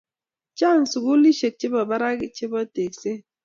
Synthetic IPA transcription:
t͡ʃa˦n̩˨su˨ku˦li˦ʃe˨k̚t͡ʃe˦bɔ˨ba˦ɾa˦ɡi˨t͡ʃe˦bɔ˦te˨k̚se˦

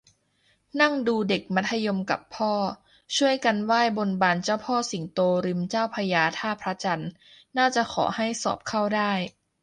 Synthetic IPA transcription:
na˥˩ŋduː˧de˨˩k̚ma˦˥t̪ʰːa˧jo˧mka̰˨˩pʰːɔː˥˩ | t͡ɕʰu˥˩əjka˧nwaː˥˩jbo˧nbaː˧nt͡ɕaː˥˩wpʰɔː˥˩si˩˦ŋt̪oː˧ɾɯ˧mt͡ɕaː˥˩wpʰa˧jaː˧t̪ʰaː˥˩pʰɾa˦˥t͡ɕa˧nː | aː˥˩t͡ɕa˨˩ʔkʰɔ̰ː˩˦ha˥˩jsɔ̰ː˨˩p̚kʰa˥˩wdaː˥˩j

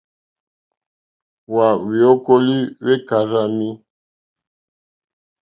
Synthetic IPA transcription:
wa˨wi˨o˦ko˦li˦we˦ka˨ɾa˦mi˦

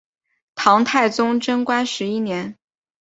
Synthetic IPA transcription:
t̪ʰɑ˧˥ŋt̪ʰa˥˩ɪt͡sʊ˥ŋʈ͡ʂɤ˥ŋkwa˥nʂɻ̩˧˥i˥njɛ˧˥n

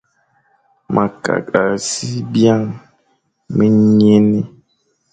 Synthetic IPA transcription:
mʔa˨ka̰˨ka˨si˦bja˦˨ŋ | me˦ɲi˦e˦ne˦

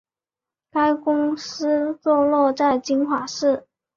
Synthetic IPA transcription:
ka˥ɪkʊ˥ŋsɹ̩˥t͡swɔ˥˧lwɔ˥˧t͡sa˥˩ɪt͡ɕi˥nxwa˨˩˦ʂɻ̩˥˩

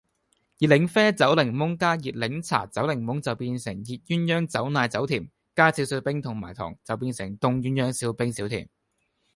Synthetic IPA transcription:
jiː˨t̚lɪ˨˥ŋfɛː˥t͡sɐ˨˥wlɪ˨˩ŋmʊ˨˥ŋkaː˥jiː˨t̚lɪ˨˧˥ŋt͡sʰa̰ː˨˩t͡sɐ˨˥wlɪ˨˩ŋmʊ˨˥ŋt͡sɐ˨wpiː˧nsɪ˨˩ŋjiː˨t̚jyː˥njœː˥ŋt͡sɐ˨˥wnaː˨˧jt͡sɐ˨˥wt̪ʰiː˨˩m | kaː˥t͡sʰi˧˨˥wsɵ˧t̚pɪ˥ŋt̪ʰʊ˨˩ŋma̰ː˨˩jt̪ʰɔ̰ː˨˩ŋt͡sɐ˨wpiː˧nsɪ˨˩ŋt̪ʊ˨˧ŋjyː˨˥njœː˥ŋsi˧wpɪ˥ŋsi˨˥wt̪ʰḭː˨˩m

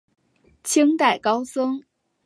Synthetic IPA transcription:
t͡ɕʰi˥ŋt̪a˨˩ɪkɑ˥ʊsɤ˥ŋ

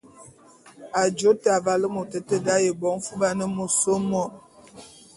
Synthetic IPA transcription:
a˨d͡ʒo˨˦ta˨va˨lə˦mo˨tə˨tə˦da˦je˨bɔ˨˦ŋ˦fu˦ba˦nə˦mo˨so˦mɔ˦˨

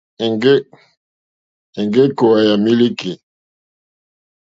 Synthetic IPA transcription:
ŋɡe˦ | e˨ŋɡe˦ko˨wa˨ja˨mi˦li˦ki˨

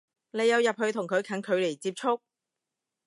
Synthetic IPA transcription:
ne˨˧jːɐ˨˧wjɐ˨p̚hɵ˨˧ɥt̪ʰʊ˨˩ŋkʰɵ˨˧ɥkʰɐ˨˥nkʰɵ˨˧ɥle˨˩jt͡siː˧p̚t͡ʃʰʊ˥k̚

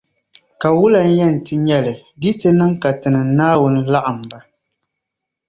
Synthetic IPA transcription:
ka˨wʊ˦la˨n̩˦jɛ˦˨n̩˨tɨ˨ɲɛ˦lɨ˨di˦tɨ˦nɨ˦ŋka˨tɨ˨nɨ˨˦naː˦wʊ˨nɨ˦la˦ʔɨ˨m˨ba˦

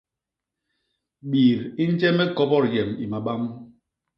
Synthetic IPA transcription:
ɓiː˨ɾi˦n̩˦t͡ʃɛ˦mɛ˦kɔ˦bɔ˦˨ɾjɛ˨mi˨ma˨ɓa˦m

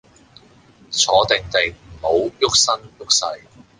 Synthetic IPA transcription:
t͡sʰɔː˨˥t̪ɪ˨ŋt̪e˨jm̩˨˩ho˨˧wjʊ˥k̚sɐ˥njʊ˥k̚sɐ˧˥j

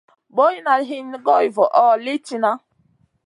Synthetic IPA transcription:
bo˦ji˦na˨˦ɦi˦n˦ɡɔ˦i˨vɔ˨ʔɔ˦li˦t͡ʃi˨na˦

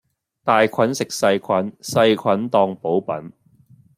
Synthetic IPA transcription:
t̪aː˨jkʷʰɐ˨˥nsɪ˨k̚sɐ˧jkʰɐ˨˥nsɐ˧jkʷʰɐ˨˥nt̪ɔː˧ŋpo˨˥wpɐ̰˨˥n

